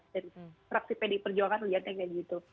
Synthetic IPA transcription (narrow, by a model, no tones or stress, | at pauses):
daɾifɾaksipɛdipərd͡ʒuaŋanliat̪̚ɲakaɡit̪u